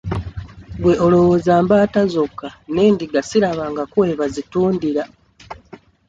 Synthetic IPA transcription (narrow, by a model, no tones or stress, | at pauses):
bwe̞ʔolo̞wozaːmbaːtazokːaneːndiɡasiɾaβaŋɡakuwe̞βazituːndiɾa